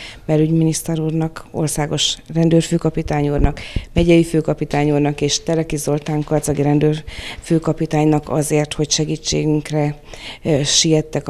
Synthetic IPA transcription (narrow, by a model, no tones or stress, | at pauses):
mɛɾyɟminist̪ɛɾuːrnɒko̞̰rsaːɡo̞ʃrɛnd̪øːrføːkɒpit̪aːɲurnɒkmɛɟɛjiføːkɒpit̪aːɲurnɒkeːʃt̪ɛɾɛkizo̞lt̪aːŋkɒrt̪zɒɡiɾɛnd̪øːrføːkɒpit̪aːɲnɒkɒ̰zeːrt̪ho̞cʃɛɡiːt͡ʃːḛːɡyŋkrɛ | ʃijɛt̪ːɛk